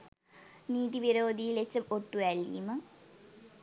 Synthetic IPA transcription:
niːd̪iʋiɾoːd̪ijilet͡ɕːɐmoʈːuʋælḭːmɐ

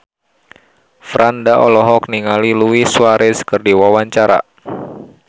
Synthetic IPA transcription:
fɾandaʔɔ̰lɔɦɔk̚niŋaliluwisuaɾʔesə̥kərdiwawaɲt͡ʃaɾa̰

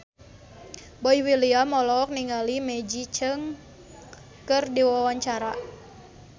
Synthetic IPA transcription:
boiwiliamɔlɔk̚niŋalimɛd͡ʒit͡ʃəŋ | kɨrdiwawaɲt͡ʃaɾa

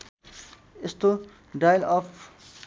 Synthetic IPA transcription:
est̪o | ɖajlɔpʰ

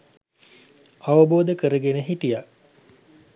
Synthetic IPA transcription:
aʋəboːd̪əkəɾəɡenəɦiʈija

